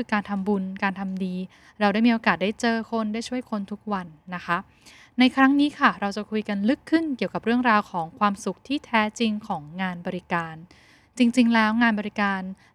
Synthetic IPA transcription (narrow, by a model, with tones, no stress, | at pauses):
kɯː˧kaː˧nt̪ʰa˧mbu˧nkaː˧nt̪ʰa˧mdiː˧ | ɾa˧wda˥˩jmi˧ʔoː˧kaː˨˩t̪̚da˥˩jt͡ɕɤː˧kʰo˧ndaː˥˩jt͡ɕʰu˥˩əjkʰo˧nt̪ʰu˦˥k̚wa˧nːa˦˥kʰa˦˥ | na˧jkʰɾa˦˥ŋniː˦˥kʰa˥˩ɾa˧wt͡ɕa˨˩kʰu˧jka˧nlɯ˦˥kʰːɯ˥˩nki˨˩əwka˨˩p̚ɾɯ˥˩əŋɾaː˧wkʰɔː˩˦ŋkʰwaː˧msu˨˦k̚t̪ʰiː˥˩t̪ʰɛː˦˥t͡ɕi˧ŋkʰɔː˩˦ŋːaː˧nbɔː˧ɾi˦˥kaː˧n | t͡ɕi˧ŋt͡ɕi˧ŋlɛː˦˥wŋaː˧nbɔː˧ɾi˦˥kaː˧n